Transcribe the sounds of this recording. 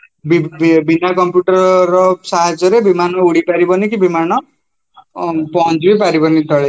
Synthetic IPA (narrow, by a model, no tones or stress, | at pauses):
bibinakɔmpjuʈɔɾɾɔsaɦad͡ʒɔɾebimanɔuɽipaɾibɔnikibimanɔ | pɔnd͡ʒbip̬aɾibɔnit̪ɔɭe